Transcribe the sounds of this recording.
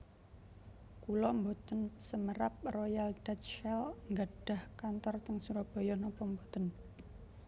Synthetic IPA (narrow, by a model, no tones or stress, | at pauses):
kulɔmbot̪ənsəməɾap̚rojald̥at̪ʃɛlŋɡaɖ̥a̤hkant̪ɔrt̪əŋsuɾɔb̥o̤jɔhnɔpɔmbot̪ən